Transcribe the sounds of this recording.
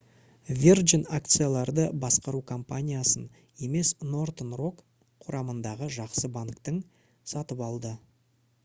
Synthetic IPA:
vʲerʒinak̚t̪sɨjalˠɑɾd̪əbɑsqɑɾukʰo̞mpanʲijasən | e̞me̞sno̞rt̪ənro̞k | qʰʊɾɑmənd̪ɑʁəʒɑqsəbaŋkt̪əɴ | sɑt̪əpɑlˠd̪ə

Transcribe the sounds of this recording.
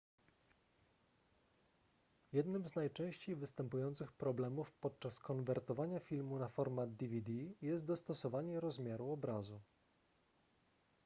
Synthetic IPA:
jɛd̪nɘmznajt͡ʂɛ̃w̃ɕt͡ɕejvɘst̪ɛmpujɔnt̪sɘxpɾɔblɛmufpɔt̪̚t͡ʂaskɔnvɛɾt̪ɔvaɲafʲilmunafɔɾmad̪d̪ivʲid̪ijɛst̪̚d̪ɔst̪ɔsɔvaɲɛɾɔzmʲjaɾuɔbɾazu

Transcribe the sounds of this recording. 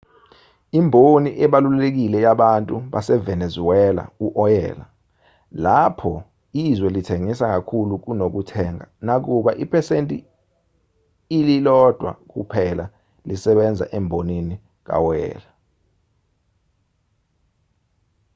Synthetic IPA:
imbʱoniʔɛɓalullek̬ilɛjaɓantʼuɓasɛvɛnezuwɛla̰uʔɔjɛ̰ːla̰ | lapʰɔ | izwɛlitʰeŋisaŋakʰuluk̬unok̬utʰɛŋanak̬uɓaʔipʰɛsentʼi | lilɔd̥ʱwa̰k̬ṵpʰɛla | lisɛɓɛnd͡zʱa̰ʔɛmbʱonini | k̬a̰wɔjɛ̰ːla

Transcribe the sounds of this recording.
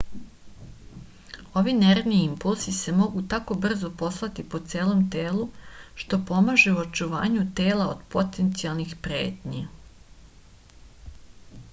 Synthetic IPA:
o̞ʋineɾʋniimpulz̥ise̞mo̞ɡut̪ako̞br̩zo̞po̞slˠat̪ipo̞t̪seːlˠo̞mt̪e̞ːluʃt̪o̞po̞maʒeuot͡ʃuʋa̰ːɲut̪e̞ːlaod̪̥po̞t̪ent̪sialˠnixpɾe̞̰ːt̪ɲa

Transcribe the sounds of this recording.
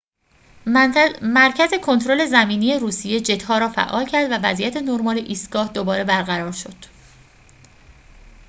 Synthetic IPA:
mæɾcʰæze̞kʰont̪ʰɾo̞le̞zæmiːnije̞ɾuːsije̞d͡ʒe̞t̪hɒːɾɒːfæ̰ʔːɒːlcʰæɾd̪vævæzʔijæt̪ʰe̞noɾmɒːleʔiːst̪ɡ̥ɒːhd̪obɒːɾe̞bæɾɣæɾɒːɾʃo̞d̪̥

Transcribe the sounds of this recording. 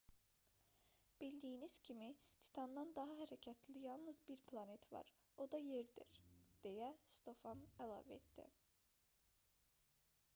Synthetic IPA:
b̥ild̪ijiniz̥cʲʰimit̪ʰi̥t̪ʰɑnd̪ɑnd̪ɑɦɑɦæɾæcʰæt̪ʰlijɑlˠnɯzbiɾpʰlˠɑne̞t̪ʰvɑ̰ɾ | o̞d̪ɑje̞ɾd̪ḭɾd̪̥e̞jæst̪o̞fɑnælˠɑ̰væḛt̪d̪ḭ

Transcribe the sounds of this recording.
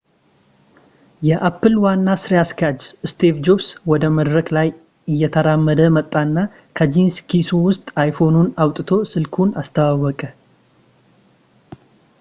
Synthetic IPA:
jɛʔapʰːɨlwanːasɨɾiaskʰad͡ʒɨst̪ʰevd͡ʒobswɔd̪əməd̪ɾəklaj | ɨjːɛt̪ʰəɾamːəd̪əmət̪ʼːaɨnːa | kʰəd͡ʒinskʰisuwʊst̪ʼajfo̞nunawt̪ʼɨt̪ʰo̞sɨlkʰunast̪ʰəwawːɔkʼə

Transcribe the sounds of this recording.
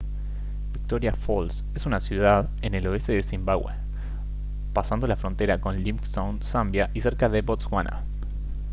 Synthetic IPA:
bik̚t̪oɾjafols | esunasjuðað | ene̞lo̞est̪e̞ðesimbaɣwḛ | pasand̪olafɾo̞nt̪e̞ɾako̞nlimst̪ownsambjaʔise̞ɾkaðe̞bot̪sɣwanʔa̰

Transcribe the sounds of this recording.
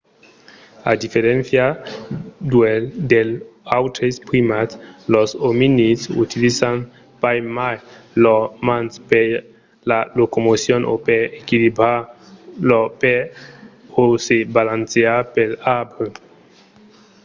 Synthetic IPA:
ad̪ifeɾenθja | d̪ueld̪elawtɾespɾimatlosominisṵt̪ilisan | pajmajlomanspe | lalokomosjonʔo̰peekiliba | lope | osebalanseapelabɾe

